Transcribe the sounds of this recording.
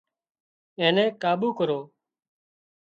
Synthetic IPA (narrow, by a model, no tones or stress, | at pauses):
ẽːnɛ̃ːkaːɓuːkəɾoː